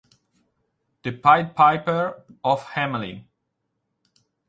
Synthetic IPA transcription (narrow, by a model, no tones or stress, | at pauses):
ð̥ɨpʰaɪpʰaɪpə˞ɔfhæmlḭ̃n